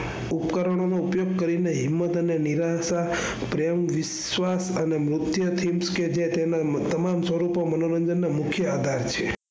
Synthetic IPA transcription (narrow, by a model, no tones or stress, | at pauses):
upkəɾəɽ̃onoupjoɡ̚kəɾineɦimːət̪əneniɾasa | pɾjəmʋis | ʋasənemɾʊt̪jət̪ʰimsked͡ʒet̪enat̪əmamsʋəɾupomənoɾəɲd͡ʒənːamukʰjəad̪ʱaɾt͡ʃʰe